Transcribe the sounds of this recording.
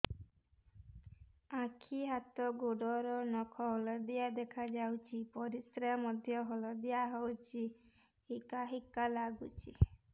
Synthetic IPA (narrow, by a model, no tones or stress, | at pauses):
akʰiɦat̪ɔɡoɖɔɾɔnɔkʰɔɦɔlɔd̪ijad̪ekʰad͡ʒawt͡ʃʰipɔɾiskɾeamɔd̪ʱjɔɦɔlɔd̪ijaɦɔwt͡ʃʰi | hikaɦikalaɡut͡ʃʰi